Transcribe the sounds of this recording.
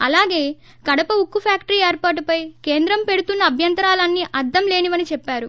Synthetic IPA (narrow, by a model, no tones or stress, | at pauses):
ɐlaːɡe̞ː | kɐɽɐpɐukːupʰaːkʈɐɾieːɾpaːɾʈupɐjke̞ːnd̪ɾɐmpe̞ɽut̪unːɐːbʱjɐnt̪ɐɾaːlɐnːiʔɐd̪ːɐmle̞ːniʋɐnit͡ʃɛpːaːɾu